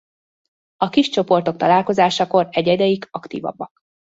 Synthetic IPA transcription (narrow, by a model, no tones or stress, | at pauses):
ɒkiʃt͡ʃo̞po̞rt̪o̞k̚t̪ɒlaːlko̞zaːʃɒko̞rɛɟɛd̪ɛjikɒkt̪ḭːvɒ̰bːɒk